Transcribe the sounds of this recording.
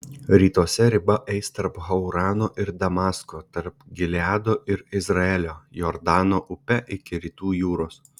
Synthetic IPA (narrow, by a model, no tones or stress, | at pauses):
ɾʲiːt̪uɔsʲɛɾʲɪbɐʔɛɪst̪ɐɾpɣɐʊɾɑːnoːʔɪɾd̪ɐmɑːskoːt̪ɐɾpɡʲɪlʲɪɑːd̪oːʔɪɾɪzɾɐɛːlʲoːjɔːɾd̪ɑːnoːʔʊpʲɛʔɪkʲɪɾʲiːt̪uːjuːɾoːs